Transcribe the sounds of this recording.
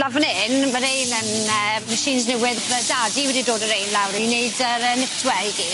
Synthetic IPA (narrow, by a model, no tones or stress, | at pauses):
lavənɪnmaɾejnənəməʃiːnznɛwɪðədadiwɛdidoːdəɾejnlˠawɾineɨdəɾənɪtʰwɛiɡi